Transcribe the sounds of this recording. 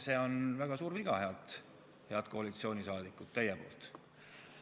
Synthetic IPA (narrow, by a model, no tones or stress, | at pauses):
se̞ːo̞nvæɡ̥ɑsuːɾviɡ̥ɑhe̞ɑd̪̥ | he̞ɑt̪ko̞ɑlit̪sio̞ːnʲisɑːd̪̥ikːˑut̪ːæjɛpo̞̰ːlt̪